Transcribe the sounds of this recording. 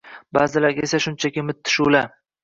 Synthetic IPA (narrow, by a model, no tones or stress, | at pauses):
baːzɪlaɾɡʲesaʃʊnt͡ʃʰakʲɪmɪt̪ʰːɪ̥ʃula